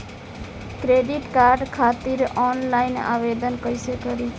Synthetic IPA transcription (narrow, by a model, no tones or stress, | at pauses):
kɾeɖiʈkaɾɖkʰat̪iɾɔnlaɪna̰ʋed̪ənkəjsekəɾit͡ʃʰ